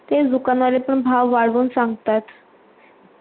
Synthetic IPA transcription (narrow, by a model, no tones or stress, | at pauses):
t̪ed̪ukanalepəɳbʱaʋːaɽʋuːnsãŋɡt̪at̪